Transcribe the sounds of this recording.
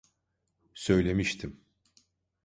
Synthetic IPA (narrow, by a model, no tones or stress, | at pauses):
sø̞jlʲe̞miʃt̪ʰim